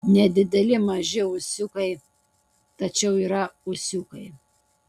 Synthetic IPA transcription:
nʲɛd̪ʲɪd̪ʲɛlʲɪmɐʒʲɪʊsʲʊkɐɪ | t̪ɐt͡ʃʲɛʊiːɾɐʊsʲʊkɐɪ

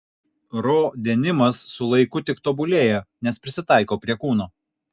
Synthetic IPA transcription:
ɾoːd̪ʲɛːnʲɪmɐsːʊlˠɐɪkʊt̪ʲɪkt̪oːbʊlʲeːjɛnʲɛspʲɾʲɪsʲɪt̪ɑˑɪkoːpʲɾʲiɛkuːnoː

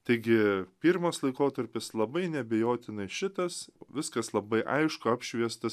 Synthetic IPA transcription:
t̪ɐɪɡʲɪpʲiɾmoslˠɐɪkoːt̪ɐɾʲpʲɪslˠɐbɐɪnʲɛbʲɛjoːt̪ʲɪnɐɪʃʲɪt̪ɐsʋʲɪskɐslˠɐbɐɪʔɐ̰ɪʃkʊɑːpʲʃʲʋʲiɛst̪ɐ

